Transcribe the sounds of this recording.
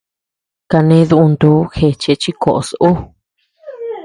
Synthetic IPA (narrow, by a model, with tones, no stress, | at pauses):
ka˧nẽ˧˦˧ðu˧u˧nd̪uː˦xe˧t͡ʃe˧t͡ʃi˦ko˨ʔso˦